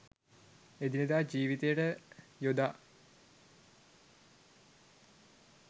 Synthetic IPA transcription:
ed̪ined̪aːd͡ʒiːʋit̪ejəʈəjod̪aː

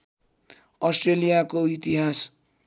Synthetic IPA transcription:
ʌsʈrelijakoit̪iɦas

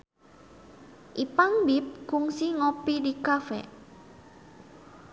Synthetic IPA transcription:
ʔipaŋbip̚kuŋsiŋopidikafɛ̰

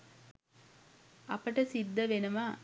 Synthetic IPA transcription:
ɐpəʈəsid̪ːəʋenəʋa

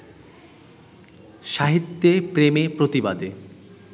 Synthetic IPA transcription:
ʃaɦit̪ːepɾemepɾot̪ibad̪e

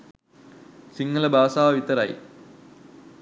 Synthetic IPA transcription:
siŋɡɐlɐbaːsaːɐʋit̪ːɐɾa̰j

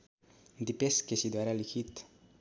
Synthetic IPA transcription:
nd̪ipeskesid̪waɾalikit̪

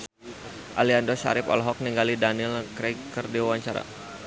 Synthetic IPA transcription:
ʔaliandɔsa̰ɾɪpɔ̰lɦɔk̚niŋɡalidanilkɾɛkərdiwawaɲt͡ʃaɾa̰

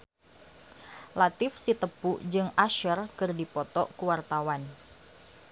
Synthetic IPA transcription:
lat̪ɪfsit̪əpud͡ʒɨŋaʃərkɨrdipɔt̪ɔʔkuwart̪awan

